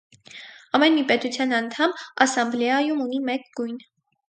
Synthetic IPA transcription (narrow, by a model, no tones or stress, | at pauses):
ɑmɛnmipɛt̪ut͡sʰjɑnɑnt̪ʰɑmɑsɑmblɛɑjumunimɛk̚ɡujn